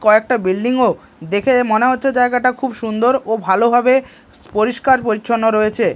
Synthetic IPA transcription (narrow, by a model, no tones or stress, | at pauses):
kɔek̚ʈabilɖiŋo | d̪ekʰemoneɦotːɕʰed͡ʑaeɡaʈakʰubʃund̪oɾobʱalobʱabe | poɾiʃkaɾpoɾit͡ɕʰɕʰonːoɾoet͡ɕʰe